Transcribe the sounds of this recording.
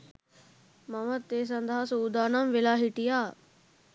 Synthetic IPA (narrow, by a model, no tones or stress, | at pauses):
mɐmɐt̪ːeːs̬ɐnd̪ʱaːsuːd̪aːnɐmʋilaːɦiʈijaː